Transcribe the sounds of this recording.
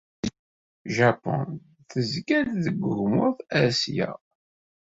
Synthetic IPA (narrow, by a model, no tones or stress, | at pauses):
ʒæpːɔ̰n | θəzkælðəɡʷːʊɡmʊθæɾsjæ̰